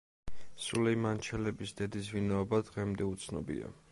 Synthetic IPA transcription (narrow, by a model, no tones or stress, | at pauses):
sulɛimant͡ʃʰɛlɛbisd̪̥ɛd̪is̬vinaɔbad̪ʁɛmd̪ɛut̪sʰnɔ̰bḭa̰